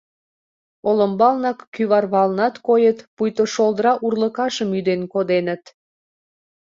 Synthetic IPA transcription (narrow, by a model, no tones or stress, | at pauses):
oləmbɑlnɑkːyβɑrβɑlnɑt̪kojət̪pujt̪oʃolˠd̪ɾɑʔurləkɑʃəmyd̪enkod̪enət̪